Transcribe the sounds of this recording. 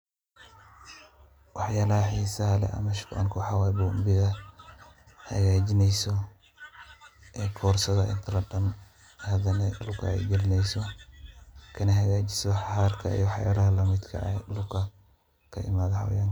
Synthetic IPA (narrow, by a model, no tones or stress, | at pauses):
wɑħjaːlɐhɐħiːsɐɦɐlɛ̰ʔɐ̰mɐʃkʊʔɐ̰nkʰuħawaːjbumbɪðɐ | hɐ̰ɣaːd͡ʒɪnɛjsɔ | ʔɛːkʰɔːrsɐðɐʔɪ̰nt̪ʰɾɐɖɐm | hɐðɐnɛlʊkʰɐ̰ɛ̰jɡɛlɪnɛjsɔ | kʰɐnɐɦɐɣaːt͡ʃɪ̥sɔħaːrkʰɐ̰ḭjɔwħja̰ːlɐɦɐlɐmɪd̪kʰɐ̰ʔɛlʊkʰɐ | kʰɐʔɪ̰maːðɐha̰wjaŋ